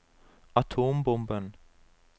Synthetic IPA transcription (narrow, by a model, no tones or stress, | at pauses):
ɑt̪ʰoːmbɔmbən